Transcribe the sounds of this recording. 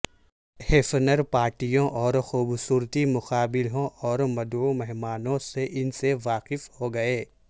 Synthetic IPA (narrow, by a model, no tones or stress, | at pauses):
heːfnəɾpaːɾʈijõʔɔːɾxuːbsuːɾt̪imʊqaːbɪlɦõʔɔːɾmɐd̪umɛɦmaːnõseʔɪnseʋaːqɪfhoɡɐeː